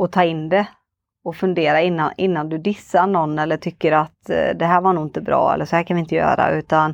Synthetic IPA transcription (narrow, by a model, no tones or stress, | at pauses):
ɔt̪ʰɑːɪnːd̪ɛ | ɔfɵnd̪eːɾaɪnːaɪnːand̪ɵd̪ɪsːaɳɔnːɛlːəʈʰʏkːəɾat̪d̪ɛɦæːɾvaɳuːɪnt̪əbɾɑ̰ːɛ̰lːəʂɔhæːɾkʰanvɪɪnt̪əjœ̰ːɾa̰ʉ̟ːt̪an